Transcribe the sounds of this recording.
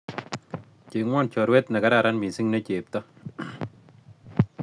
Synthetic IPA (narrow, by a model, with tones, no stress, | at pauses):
t͡ʃe˨ŋwɔ˦˨nt͡ʃɔ˨ɾwɛ˦tna˨ka˦ɾa˨ɾa˦nmi˨si˦ŋne˦t͡ʃe˨p̚tɔ˦